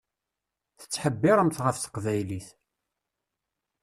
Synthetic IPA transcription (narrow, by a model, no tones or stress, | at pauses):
θə̥t͡sːħəbːɪɾˤəmθʁəfθə̥qvæjliθ